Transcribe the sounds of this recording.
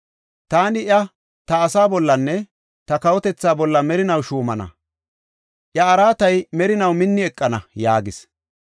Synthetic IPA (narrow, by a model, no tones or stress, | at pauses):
t̪aːnɪʔjɐ | t̪ɐːsaːbɔlːɐnːɛ | t̪ɐkɐwɔt̪ɛt͡sːaːbɔlːɐmɛɾɪnɐwʃuːmɐnɐ̰ | ʔjɐːɾaːt̪ɐjmɛɾɪnɐwmɪnːɪɛkʼːɐnɐja̰ːɡɪs